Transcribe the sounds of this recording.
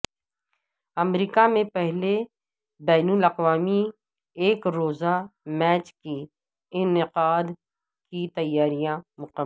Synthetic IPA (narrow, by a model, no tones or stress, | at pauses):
ɐmɾiːkamẽpɛɦle | bɛːnʊlɐqʋaːmi | eːkɾoːzamɛːt͡ʃki | ɪnɪqaːd̪ | kit̪ɐjːaːɾijãmʊqə